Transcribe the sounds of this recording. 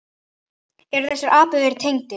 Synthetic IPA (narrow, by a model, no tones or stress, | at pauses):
ɛɾθɛsːaɾʔaːpʏɣɪɾt̪ʰejŋt̪ɪ